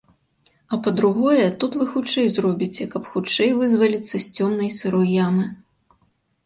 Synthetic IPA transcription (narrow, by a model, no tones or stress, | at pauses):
ɐpɐd̪ɾuɣɔjɛt̪ut̪vɨxut͡ʂɛjzrɔbʲit͡sʲɛkɐpxut͡ʂɛjvɨzvɐlʲit̪sːɐsʲt͡sʲɔmnɐjsɨɾɔjjamɨ